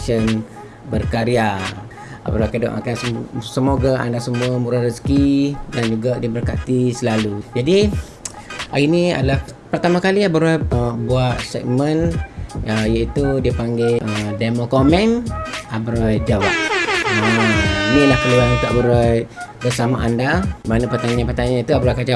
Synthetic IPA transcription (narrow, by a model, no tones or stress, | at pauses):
ʃən | bərkaɾia | a̰bəɾajkədo̰ʔa̰kansəsəmoɡaa̰ndasəmuamuɾahrəskidand͡ʒuɡadiəbərka̰t̪isəlalud͡ʒadi | inia̰dalah | pərt̪amakaliabəɾajəbuat̪̚sɛ̰k̚mənəjait̪udiəpaŋɡeədamokomɛ̃nabəɾajd͡ʒawap̚aminilahkəluat̪uabəɾajbərsamaʔandamanapərt̪aɲãpərt̪aɲãnit̪uabəɾakad͡ʒa